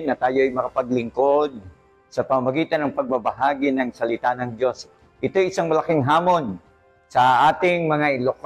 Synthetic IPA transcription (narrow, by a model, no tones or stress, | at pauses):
nːɐt̪aːjo̞ɐjmɐkɐpɐɡlɪŋkod̪̚ | sɐpɐmɐmɐɡiːt̪ɐnːɐŋpɐɡ̚bɐbɐɦaːɡɪnɐŋsɐlɪt̪anɐŋd͡ʒjo̞s | ʔɪt̪o̞jɪsaŋmɐlɐkɪŋɦaːmo̞n | sɐʔaːt̪ɪŋmɐŋaʔɪlok